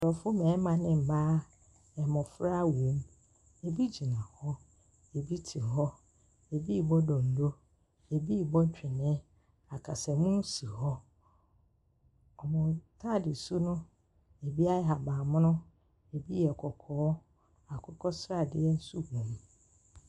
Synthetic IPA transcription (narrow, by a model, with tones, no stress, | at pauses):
dɔ˨fʊ˦mɛ̃ː˨˦mã˨nɪ̃˦m̩˨baː˦ | ɛ˨mɔ̃˨fɾa˦wũ˨˦m | e˨bi˦d͡ʑi˨nã˨hɔ˦ | e˨bi˦tʰi˨ɦɔ˦ | e˨bi˦˨bɔ˦dɔ̃˨n̩˨do˦ | e˨bi˦˨bɔ˦ɲ˦t͡ɕᶣɪ˨nɪ̃˦ | a˨kʰa˨sɛ˨mũ˦n˦si˨hɔ˦ | ɔ˨mʊ̃˨tʰa˦dɪ˨su˦nʊ̃˦ | e˨bi˦a˦ɛ˦ɦa˨baː˨mʊ̃˦nʊ̃˦ | e˨bi˦ɛ˨kʰɔ˨kʰɔː˨˦ | a˨kʰɔ˦kʰɔ˦sɾa˨dɪ˦ɛ˦n̩˦su˦hũ˨m